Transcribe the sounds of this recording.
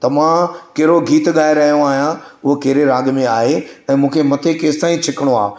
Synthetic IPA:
t̪ɐm̤ãkɐɦɾoɡʱiːt̪ɠaːɪɾɐɦijoaːɦjãʊɦokɐɦɪɾeɾãːɡmẽaːɦeɛ̃ːmũːkʰemɐt̪ʰekeːst̪aːĩt͡ɕʰɪkɪɽ̃oa̰ː

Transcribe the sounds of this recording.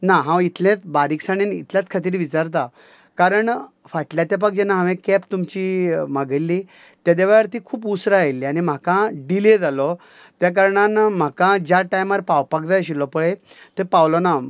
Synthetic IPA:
naɦãwit̪ʰljãt͡s̪baɾiksaɽ̃enḭt̪ljat͡s̪kʰat̪̬iːɾʋit͡saɾt̪̬a | kaɾəɳ | faʈljat̪jap̬aɡ̚d͡ʑenaɦãʋẽkɛpt̪umt͡ɕimaɡəlːi | t̪jad̪aʋajəɾt̪iːkʰuːpusɾajelːiañim̤akãɖiled͡zalɔ | t̪jak̬əɾɳanm̤akãd͡ʑjaʈajmaɾpawpak̚d͡z̪ajɕ̬ilɔpəɭet̪epawlɔna

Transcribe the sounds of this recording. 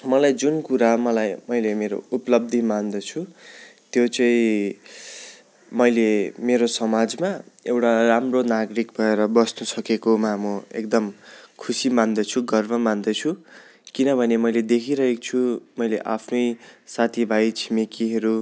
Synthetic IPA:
mʌlajd͡zunkuɾamʌlajmʌjlemeɾo̰uplʌb̚d̪ʱimand̪ʌt͡sʰut̪jot͡sʌĩ | mʌjlemeɾosʌmad͡zmaewʈaramronaɡɾik̚bʱʌeɾʌbʌst̪osʌkekomamʌḛkd̪ʌmkʰusimand̪ʌt͡sʰuɡʌrmʌmand̪ʌt͡sʰukinʌbʱʌnemʌjled̪ekʰiɾʌɦekt͡sʰumʌjleʔa̰pʰnʌjsat̪ʰibʱajt͡sʰimekiɦʌɾu

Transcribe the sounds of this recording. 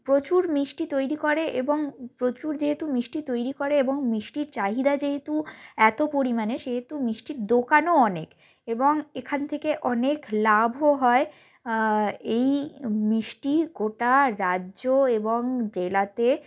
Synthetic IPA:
pɾot͡ɕuɾmɾiʃʈit̪ojɾikoɾeʔeboŋpɾot͡ɕuɾd͡ʑeɦet̪umiʃʈit̪ojɾikoɾeeboŋmiʃʈiɾt͡ɕaɦid̪ad͡ʑeɦet̪uɛt̪opoɾimaneʃeɦet̪umiʃʈiɾd̪okanoɔnek | eboŋekʰant̪ʰekeʔɔneklabʱoɦɔe | ejmɾiʃʈiɡoʈaɾaʑoeboŋd͡ʑelat̪e

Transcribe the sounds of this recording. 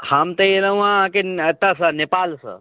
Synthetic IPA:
hamt̪əeləũãket̪əsənepalsə̰

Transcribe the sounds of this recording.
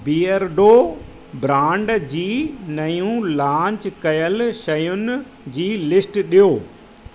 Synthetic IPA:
biːəɾɖoː | bɾãːɳɖd͡ʑiːnɐjũlãːɲt͡ɕkɐjəlʃɐjʊnɪ | d͡ʑiːlɪsʈɗijoː

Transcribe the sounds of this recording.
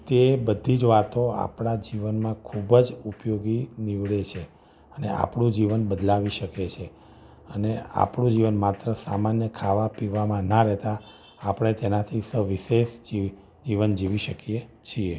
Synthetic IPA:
t̪ebəd̪ʱid͡ʒʋat̪oa̰pɳad͡ʒiʋənmãkʰubd͡ʒupjoɡiniʋɭet͡ʃʰe | ənea̰pɳũd͡ʒiʋənbəd̪laʋiʃəket͡ʃʰe | ənea̰pɳũd͡ʒiʋənmat̪ɾəsamanjəkʰaʋapiʋamãnəɾɛɦt̪aː | pɽ̃et̪enat̪ʰisəʋiʃeʃd͡ʒi | d͡ʒiʋənd͡ʒiʋiʃəkiet͡ʃʰie

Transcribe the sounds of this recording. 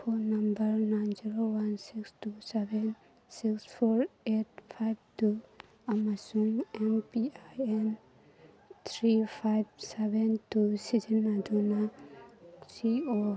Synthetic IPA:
pʰɔnambəɹnajnziɾowansikstusebɛn | sikspʰɔɹet̚pʰajb̚tu | amasuŋɛnpiajɛn | t̪ʰɾipʰajb̚sebentusid͡ʒinːaduna | sio

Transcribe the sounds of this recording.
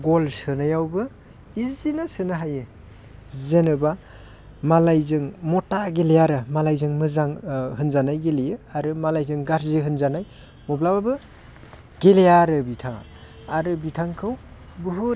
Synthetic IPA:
ɡolsɯnajawbɯ | izinasɯnaɦajɯ | zenɯba | malajzɯŋmɔtaɡelejaɾɯmalajzɯŋmɯzaŋɦɯnzanajɡelijɯaɾɯmalajzɯŋɡaɾzɯɦɯnzanaj | mɔblababɯ | ɡ̥elejaɾɯbitʰaŋa̰ | aɾɯbitʰaŋkʰɯw | bɯɦu

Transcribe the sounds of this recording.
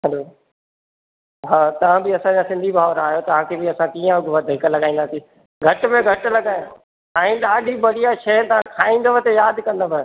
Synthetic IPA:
ɦɛloː | ɦaːt̪ɐʋ̤ãbɪɐsãɲd͡ʑãsɪ̃nd̪ʱibʱaːʋəɾaːɦjot̪ɐʋ̤ãkʰeːbɪɐsãkiːə̃ʊɡʱʊʋəd̪ʱɪkəlɐɡaːĩnd̪aːsiː | ɡʱɐʈmẽɡʱɐʈ̆lɐɡaːjã | aĩɗaːɖʱiɓɐɽijaʃʰeːt̪ɐʋ̤ãkʰaːĩnd̪əʋət̪ejaːd̪ʱkɐ̃nd̪əʋə

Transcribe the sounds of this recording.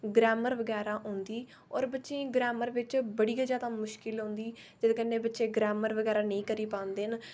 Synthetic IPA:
ɡɾɛːməɾʋəɡɛːɾaːɦõːnd̪iː | ɔːɾbətːʃẽːɡɾɛːməɾʋɪt͡ʃbəɽiːəd͡ʒaːd̪amʊʃkɪlɦõːnd̪iː | d͡ʒɪd̪kənːẽːbətːʃẽːɡɾɛːməɾʋəɡɛːɾaːnəĩːkəɾiːpãːnd̪eːn

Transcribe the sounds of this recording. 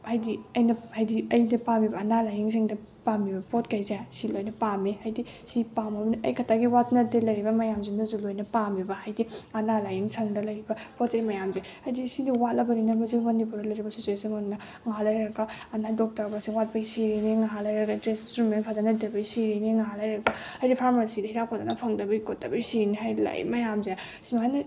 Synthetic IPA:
hajdiɐjnɐhajdiɐjnɐpamibɐːnalajiŋsʰiŋdɐ | pamibɐpotkajzjasilojnɐpamehajdi | sipamɐbniɐ̰jkʰɐtʰaɡiwatnɐtelɐjɾibɐmɐjamzinɐzulojnɐpamibɐhajdiɐnalajiŋsʰɐŋdɐlɐjɾibɐpot̚zejmɐjamzehajdisidiwatlɐbɐninɐbɐziɡmɐnipuɾdɐlɐjɾibɐsituesinmɐnnɐ | ŋɦalɐjɾɐɡaːnadɔk̚tɐɾbasiŋwat̚bɐjsiɾiniŋaɦalɐjɾɐɡadɾesinstɾumenpʰazanɐdebɐjsiɾiniŋaɦalajɾɐɡaajdipʰaɾmasidɐhiɾakʰozanɐpʰɐŋdɐbɐikotːɐbijsiniɦajla̰jmɐjamzea | simaajnɐ

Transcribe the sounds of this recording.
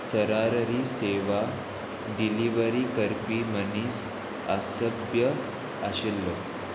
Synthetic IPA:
səɾaɾɾiːseʋa | ɖiliʋəɾiːkəɾpiːməniːs | a̰səbjə | aɕelːɔ

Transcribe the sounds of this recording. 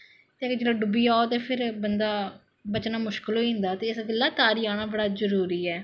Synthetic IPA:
t̪eːd͡ʒlãːɖʊbiːaːot̪eːpʰɪɾbənd̪aː | bət͡ʃnaːmʊʃkɪlɦoiːɦʊ̃nd̪aːt̪eːɪsɡ̪ɪlːaːt̪aːɾiːaːñaːbəɽaːzəɾuːɾiːɛː

